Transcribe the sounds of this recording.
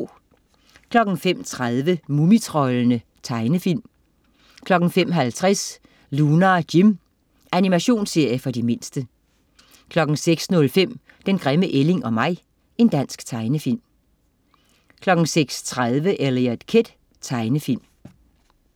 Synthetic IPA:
kʰlɒ̽ɡ̥n̩fem̰t͡sʰʁaðˠʋəmumit͡sʰʁɒ̽lənə | t͡sʰɑ̈ɪnəfil̰m | kʰlɒ̽ɡ̥n̩fem̰ɦælt͡sʰʁas | luːnɐd̥im | ʔænimæɕo̝̰ːnsːe̝ɐ̰jəfɒ̽dime̝nsd̥ə | kʰlɒ̽ɡ̥n̩seɡ̥snɔ̽lfem̰ | d̥enɡ̥ʁɛməʔele̝ŋɒ̽mɑ̈ɪ̰ | e̝nd̥æn̰sɡ̥t͡sʰɑ̈ɪnəfil̰m | kʰlɒ̽ɡ̥n̩seɡ̥st͡sʰʁað̞ˠʋəʔeliæd̥kʰed̥ | t͡sʰɑ̈ɪnəfil̰m

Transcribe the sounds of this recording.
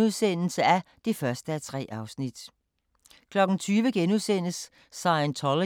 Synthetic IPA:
uðˠsen̰l̩səæ | d̥ifɶɐsd̥əæt͡sʰʁɛ̰ːʔɑ̈ʊsnid̥ | kʰlɒ̽ɡ̥n̩t͡sʰyːʋəɡ̥enuðˠsen̰əsː | ɑ̈ɪənt͡sʰɒlo

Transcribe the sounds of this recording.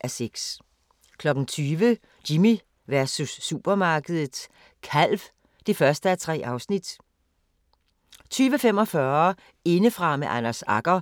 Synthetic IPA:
ʔæɐseɡ̥s | kʰlɒ̽ɡ̥n̩t͡sʰyːʋə | d̥imi | ʋæɐsusːub̥ɐmɑ̈ːɡ̥əð̞ˠð̩ˠ | kʰæl̰ʋ | d̥e̝fɶɐsd̥əæɐt͡sʰʁɛ̰ːʔɑ̈ʊsnid̥ | t͡sʰyːʋəfem̰ɒ̽fɶɐ | e̝nəfʁɑ̈meʔænæsɑ̈ɡ̥ɐ

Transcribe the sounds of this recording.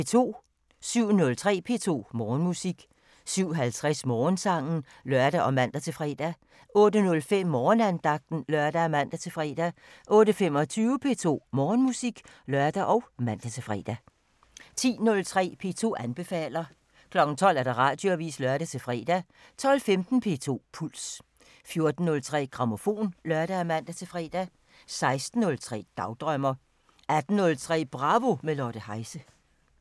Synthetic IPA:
et͡sʰo̝̰ː | syʊ̰nɔ̽lt͡sʰʁɛ̰ːpʰe̝̰t͡sʰo̝̰ːmɒːnmusiɡ̥ | syʊ̰ɦælt͡sʰʁɛsmɒːnsɑ̈ŋ̰n̩ | lɶɐd̥æʔɒ̽mæn̰d̥æt͡sʰe̝fʁɛ̰ːd̥æ | ʔɔ̽ːdənɔ̽lfem̰ːɒːnænd̥ɑ̈ɡ̥̚d̥n̩lɶɐd̥æmæn̰d̥æt͡sʰe̝fʁɛ̰ːd̥æʔɔ̽ːɾəfem̰ɒ̽t͡sʰyːʊəpʰe̝ːt͡sʰo̝̰ːmɒːnmusiɡ̥lɶɐd̥æʔɒ̽ʊmæn̰d̥æt͡sʰe̝fʁɛ̰ːd̥æ | t͡sʰḭːnɔ̽lt͡sʰʁɛ̰ːpʰe̝ːt͡sʰo̝̰ːʔænb̥e̝fɛ̰ːlɐ | kʰlɒ̽ɡ̥n̩t͡sʰɒ̽l̰æɐd̥ɑ̈ʁɑ̈ːd̥joæʋḭːslɶɐɾ̥æt͡sʰe̝fʁɛ̰ːd̥æ | t͡sʰɒ̽l̰femd̥n̩pʰe̝̰t͡sʰo̝̰ːpʰul̰s | fjo̝ɐd̥n̩ːɔ̽lt͡sʰʁɛ̰ːɡ̥ʁɑ̈mo̝fo̝̰ːnlɶɐɾ̥ææmæn̰d̥æt͡sʰe̝fʁɛ̰ːd̥æ | sɑ̈ɪsd̥n̩ːɔ̽lt͡sʰʁɛ̰ːd̥ɑ̈ʊd̥ʁɶmɐ | æd̥n̩nɔ̽lt͡sʰʁɛ̰ːb̥ʁɑ̈ʋo̝melɒɾ̥əhɑ̈ɪsə

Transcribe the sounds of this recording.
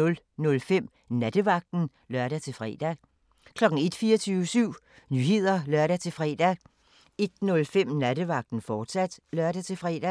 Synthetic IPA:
ɔ̽l | nɔ̽lfem̰ | næd̥əʋɑ̈ɡ̥̚d̥n̩ | lɶɐ̰ɾæt͡sʰe̝lfʁɛ̰ːd̥æ | kʰlɒ̽ɡ̥ŋ̩e̝d̥fiːɐt͡sʰyːʊəsyʊ̰ | nyːɦe̝ð̞̰ˠɐlɶɐɾ̥æt͡sʰe̝fʁɛ̰ːd̥æ | e̝d̥nɔ̽lfem̰næd̥əʋɑ̈ɡ̥̚d̥n̩fɒːd̥sæd̥lɶɐɾ̥æt͡sʰe̝fʁɛ̰ːd̥æ

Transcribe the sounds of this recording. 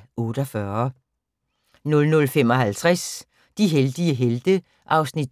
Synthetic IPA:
ɔ̽ːɾ̥ɒfɶːɐ | nɔ̽lnɔ̽lfem̰ɒ̽ɦælt͡sʰʁas | d̥iɦeld̥iəɦeld̥ə | ʔɑ̈ʊsnid̥

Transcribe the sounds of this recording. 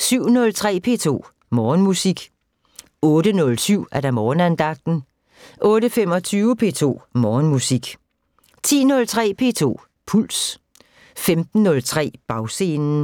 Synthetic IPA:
syʊ̰nɔ̽lt͡sʰʁɛ̰ːpʰe̝̰ːt͡sʰo̝̰ː | mɒːnmusiɡ̥ | ɔ̽ːɾənɔ̽lsyʊ̰æɐd̥ɑ̈mɒːnænd̥ɑ̈ɡ̥̚d̥n̩ | ʔɔ̽ːɾəfem̰ɒ̽t͡sʰyːʊəpʰe̝ːt͡sʰo̝̰ːmɒːnmusiɡ̥ | t͡sʰḭːnɔ̽lt͡sʰʁɛ̰ːpʰe̝̰ːt͡sʰo̝̰ː | pʰul̰s | femd̥n̩ːɔ̽lt͡sʰʁɛ̰ːb̥ɑ̈ʊse̝ːnn̩

